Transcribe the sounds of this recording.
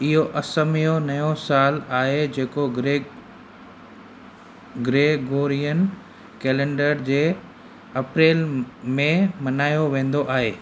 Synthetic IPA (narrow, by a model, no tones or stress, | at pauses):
ɪɦoʔɐsəmijonɐjõsaːlaːɦed͡ʑeːko | ɡɾeːɡoːɾijən | kɛːlẽːɳɖəɾd͡ʑeː | ɐpɾeːlmẽmɐnaːjoʋẽːn̆d̪oʔaːɦeː